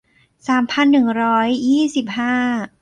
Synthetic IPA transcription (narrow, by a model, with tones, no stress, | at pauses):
saː˩˦mpʰa˧nːɯ˨˩ŋɾɔː˦˥jːiː˥˩si˨˩p̚haː˥˩